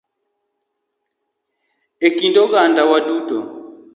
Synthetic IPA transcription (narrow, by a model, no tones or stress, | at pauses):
ekindɔkandawadutɔ